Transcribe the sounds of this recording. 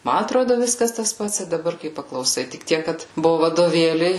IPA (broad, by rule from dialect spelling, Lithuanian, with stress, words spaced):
ˈmɐ ɐtˈroːdoː ˈʋʲɪskɐs tɐs ˈpɐts ɪ dɐˈbɐr kɐɪ pɐklˠɐʊˈsɐɪ tʲɪk ˈtʲiɛk kɐt ˈbʊʋʊ ʋɐdoːˈʋʲeːlʲɛɪ